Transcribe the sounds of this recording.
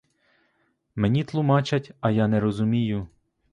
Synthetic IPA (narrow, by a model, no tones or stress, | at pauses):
menʲit̪lˠʊmɑt͡ʃʲɐtʲɐjanɛɾɔzʊmʲijʊ